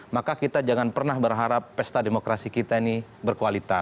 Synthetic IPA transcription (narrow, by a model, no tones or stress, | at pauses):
makakit̪ad͡ʒaŋanpərnahbərɦaɾapːɛst̪ademokɾasikit̪ainibərkualit̪a